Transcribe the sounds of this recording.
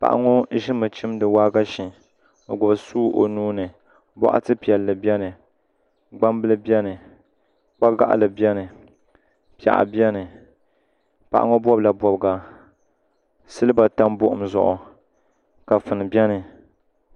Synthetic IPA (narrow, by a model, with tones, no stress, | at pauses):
pa̰˨ʔa̰˨ŋo˦ʒɪ˦mɨ˨t͡ʃɪ˦mdɨ˨waː˦ɡa˦ʃi˨ | o˨ɡʊ˨bsuː˦ʔo̰˨nuː˦nɨ˨ | bɔ̰˦ʔa̰˦tɨ˦pi˨ɛ˨lːɨ˨bjɛ˦nɨ˨ | ɡ͡ba˦mbɨ˦lɨ˦bɛ˦nɨ˨ | k͡pa˦ɡa̰˦ʔlɨ˨bɛ˦nɨ˨ | pi˨a̰˨ʔa̰˨bjɛ˦nɨ˨ | pa̰˨ʔa̰˦ŋo˦bɔ˦bla˨bɔ˨bɡa˨ | sɨ˦lɨ˦ba˨ta˦mbʊ˦ʔʊ̰˨mzʊ̰˨ʔʊ̰˨ | ka˨fɨ˨nɨ˨bɛ˦nɨ˨